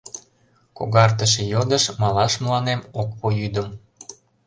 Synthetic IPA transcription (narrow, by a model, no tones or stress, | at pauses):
ko̰ɣɑrt̪əʃĕjod̪əʃmɑlɑʃmlɑnemokpojyd̪əm